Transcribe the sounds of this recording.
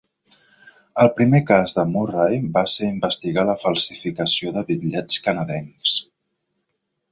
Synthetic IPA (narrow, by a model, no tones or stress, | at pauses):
əlˠpɾimekazðəmurajbaseɾimbəst̪iɣaləfəlˠsifikəsioðəβiðʎɛt͡skənəðɛŋs